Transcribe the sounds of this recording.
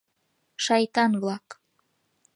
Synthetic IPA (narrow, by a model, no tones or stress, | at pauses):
ʃɑjt̪ɑnβlˠɑk